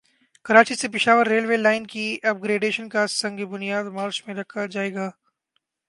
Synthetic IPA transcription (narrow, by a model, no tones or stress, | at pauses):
kɐɾaːt͡ʃisepɪʃaːʋəɾːeːlʋeːlaːɪnkiɐp̚ɡɾeːɖeːʃənkasɐ̃ŋɡebʊnijaːd̪maːɾt͡ʃmẽɾɐkʰad͡ʒaːeːɡaː